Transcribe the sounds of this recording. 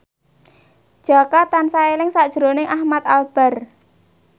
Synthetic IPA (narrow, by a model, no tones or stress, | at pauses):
d̥ʒ̥a̤kat̪ansaelɪŋsaʔd̥ʒ̥əɾonɪŋʔahmat̪̚alb̥a̤r